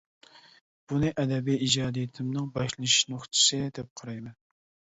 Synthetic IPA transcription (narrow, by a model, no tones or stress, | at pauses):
b̥unɨʔɛd̪ɛbijid͡ʒɑːd̪ijɪt̪ʰɪmnɨŋbɑʃlˠʃiʃnoχt͡ʃ̪ʰɨ̥sɨd̪ɛp̚qʰɑɾɑjmɛn